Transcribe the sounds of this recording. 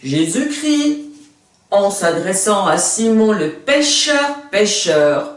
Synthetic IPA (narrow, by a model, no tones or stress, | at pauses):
ʒezykχi | ɑ̃sad̪ʁɛsɑ̃asimɔ̃ləpeʃœʁpeʃœːʁ